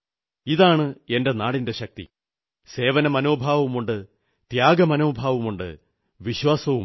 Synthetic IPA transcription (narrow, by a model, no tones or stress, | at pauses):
iðaːɳɨe̞nde̞naːɽinde̞ɕɐk̚t̪ḭ | se̞ːʋɐnɐmɐno̞ːbʱaːʋɐumuɳɖɨ | t̪jaːɡɐmɐno̞ːbʱaːʋɐmuɳɖɨ̰ | ʋiɕwaːsɐʋum